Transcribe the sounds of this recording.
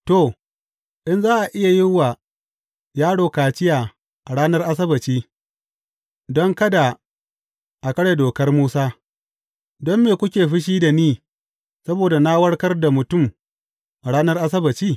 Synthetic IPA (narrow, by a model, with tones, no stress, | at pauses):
to˨ | ʔɪ˦nzaː˦ʔa˨ʔɪ˦ja˨jɪ˦ŋwːa˨ | jaː˦ɽoː˨kaː˨t͡ʃɪ˦jaː˨ | ʔa˨ɽaː˦nɐ˦rʔa˦s̬ɐ˦bɐ˨t͡ʃiː˦ | dɔ˦ŋkɐ˦da˨ | ʔa˨kɐ˦ɽe˨doː˨kɐ˦rmuː˦saː˦ | dɔ˦mːeː˨kʷʊ˦kʲeː˨ɸɪ˦ʃ̬iː˦da˨niː˦ | sɐ˦boː˨da˨na˦wɐ˦ɽkɐ˦rda˨mʊ˨tʊ˦˨m | ʔa˨ɽaː˦nɐ˦rʔa˦s̬ɐ˦bɐ˨t͡ʃiː˦